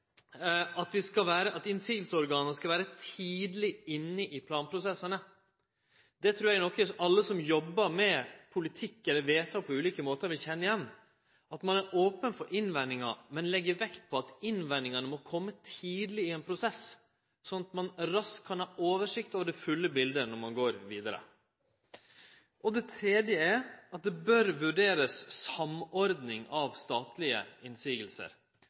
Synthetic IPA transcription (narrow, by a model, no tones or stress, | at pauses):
ɑt̪ʋɪskɑʋæːɾəʔɑt̪ɪnsiːɡ̪əlsəɔɾɡɑːnəskɑʋæːɾət̪ʰiːd̪lɪɪnːəʔɪpʰlɑːnpʰɾʊsɛsːənə | d̪̥ɛt̪ʰɾʉːɾjæɡnɔkːəɑlːəsɔmjɔbːəɾmɛpʰʊlɪt̪ʰɪkːɛlːəɾʋeːt̪ʰɑːpʰɔʉːliːkəmoːt̪əɾʋɪlçɛnːəɪjɛnː | ɑt̪mɑnæɾʔoːpənfɔɾʔɪnʋɛnːɪŋɑ̰mɛnlɛɡːəɾʋɛkt̪̚pʰɔɑt̪ɪnʋɛnːɪŋɑnəmɔkʰɔmːət̪ʰiːd̪lɪɪɛnpʰɾʊsɛs | sɔnɑt̪mɑnɾɑskʰːɑnhɑːʔoːʋəʂɪkt̪oːʋəɖɛfʉlːəbɪld̪ənɔɾmɑnɡoːɾʋiːd̪ɑɾə̰ | ʔɔd̪ɛt̪ʰɾeːd̪jəæɾɑt̪̚d̪ɛbœɾʋʉɖeːɾəssɑmɔɾd̪nɪŋɑʋst̪ɑːt̪lɪə̰ɪnsiːɡəlsə̰ɾ